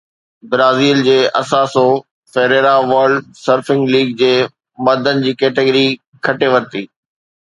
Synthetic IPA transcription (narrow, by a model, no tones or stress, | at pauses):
bɾaːziːld͡ʑeːʔɐsaːso | fɛːɾeːɾaʋəɾɖsəɾfɪ̃ŋɡliːɡ̚d͡ʑeː | mɐd̪ʱənɪ̆d͡ʑiːkɛːʈeɡəɾi | kʰɐʈeʋɐɾt̪iː